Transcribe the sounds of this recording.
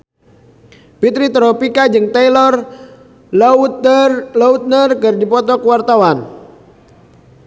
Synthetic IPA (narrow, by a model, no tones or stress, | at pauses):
pit̪ɾit̪ɾɔpikad͡ʒɨŋt̪ajlɔr | laut̪̚nərkərdipɔt̪ɔkwart̪awan